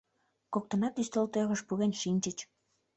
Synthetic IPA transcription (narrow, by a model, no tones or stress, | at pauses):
kok̚t̪ə̆nɑt̪yst̪olt̪øɣə̆ʃpuɣenʃinʲt͡ɕət͡ɕ